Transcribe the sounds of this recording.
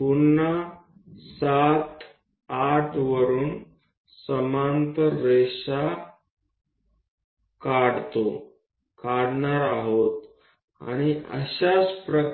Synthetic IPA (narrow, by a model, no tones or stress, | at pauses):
punːa | sat̪ | aʈʰʋəɾuːn | səmant̪əɾeʂa | kaɽt̪o | kaɽɳaɾaɦot̪ | a̰ɽ̃iə̰ɕaspɾə